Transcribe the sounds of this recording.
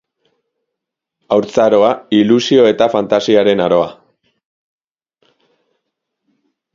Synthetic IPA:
awɾt͡saɾo̞ailusio̞e̞t̪afant̪asiaɾe̞naɾo̞a

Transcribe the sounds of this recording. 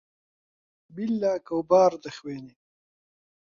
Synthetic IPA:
bilːaːkawbɑːɾd̪ɐxweːni

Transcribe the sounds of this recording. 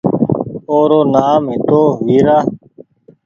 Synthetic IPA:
oːɾoːnaːmɦit̪oːʋiːɾaː

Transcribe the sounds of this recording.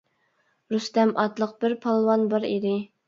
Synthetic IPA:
ɾust̪ɛmʔɑt̪lˠəq̚b̥ɪɾpʰɑlˠwɑnbɑɾḭd̪ɪ

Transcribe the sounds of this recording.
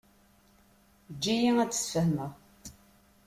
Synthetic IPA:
d͡ʒːijiŋæt͡sːə̥sfəhməʁ

